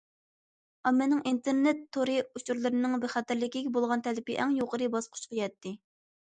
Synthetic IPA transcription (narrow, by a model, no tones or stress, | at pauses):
ɑmːɛnɪŋint̪ʰeɾnet̪ʰːoɾɨut͡ʃʰuɾlˠɨɾɨnɨŋbɪɾχɑt̪ɪɾlɪkʲikʲbolˠʁɑnt̪ʰɛlɪpɪʔɛŋjoqʰəɾɨbɑsqʰʊ̥t͡ʃqʰəjɛt̪ʰːɪ